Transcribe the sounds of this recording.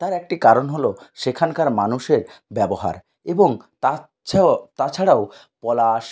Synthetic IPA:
t̪aɾɛk̚ʈikaɾonɦoloʃekʰankaɾmanuʃeɾbɛboɦa̰ɾ | eboŋ | t̪a | t̪at͡ɕʰaɽao | pɔlaʃ

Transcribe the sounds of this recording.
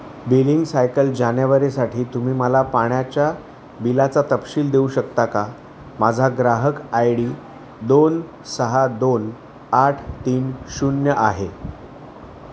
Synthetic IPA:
biliŋɡsajkəld͡ʑanjaʋəɾesaʈʰiːt̪um̤iːməlapaɳjat͡ɕja | bilat͡sat̪əpɕiːld̪euɕəkt̪aka | mad͡zʱaɡɾaɦəkajɽiː | d̪on | səɦad̪on | aʈʰt̪iːnɕunjəʔaɦe

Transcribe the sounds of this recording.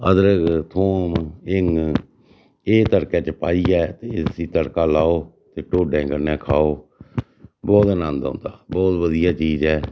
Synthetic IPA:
əd̪əɾəɡt̪ʰoːmɪŋ | eːt̪əɽkɛːt͡ʃəpaːiːɛːt̪eːɪiːt̪əɽkaːlaːoː | t̪eːʈoːɖɛ̃ːkəɾnɛ̃ːkʰaːoː | bɔːt̪ənə̃nd̪õ̰ːnd̪aːbɔːt̪ʋəd̪ijaːt͡ʃiːzɛː

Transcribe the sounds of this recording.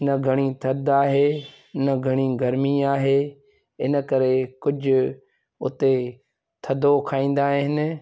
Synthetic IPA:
nɐɡʱɐɽ̃it̪ʰɐd̪aːɦeː | nəɡʱɐɽ̃iɡɐɾmiaːɦeː | ɪnə̆kɐɾekʊd͡ʑʱʊ̆ | ʊ̰t̪e | t̪ʰɐd̪okʰaːĩːn̆d̪aːɦɦɪnɪ̆

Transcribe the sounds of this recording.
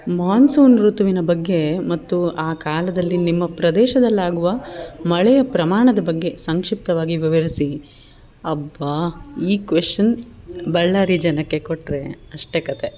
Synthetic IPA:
maːnsuːnɾut̪ʋinɐbɐɡːe̞mɐt̪ːuaːkaːlɐd̪ɐlːinimːɐpɾɐd̪ɛːʃɐd̪ɐlːaːɡuʋɐmɐɭɛjɐpɾɐmaːɳɐd̪ɐbɐɡːe̞sɐŋkʂip̚t̪ɐʋaːɡiʋɐʋɐɾisi | ɐbːaiːkʋeʂʈɐn | bɐɭːaːɾid͡ʒɐnɐkːe̞koʈːɾe̞ɐʂʈekɐt̪e

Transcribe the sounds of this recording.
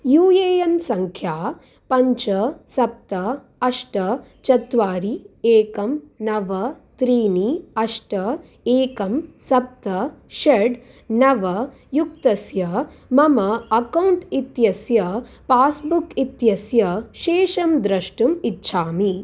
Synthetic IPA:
juːjeːjɐnsɐŋkʰjaː | pɐɲt͡ʃɐsɐp̚t̪ɐ | ɐʂʈɐt͡ʃɐt̪ʋaːɾieːkɐmnɐʋɐ | t̪ɾiːniɐʂʈɐ | eːkɐmsɐp̚t̪ɐʃɐɾɖ | nɐʋɐ | jukt̪ɐsjɐ | mɐmɐɐkɐwɳʈit̪jɐsjɐpaːsbukit̪jɐsjɐʃeːʃɐmd̪ɾɐʂʈumitːʃʰaːmi

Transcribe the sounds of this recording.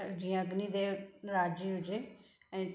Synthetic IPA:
d͡ʒiãəɡniːd̪eːɾaːd͡ʒiːʊd͡ʒeː | ɛ̃

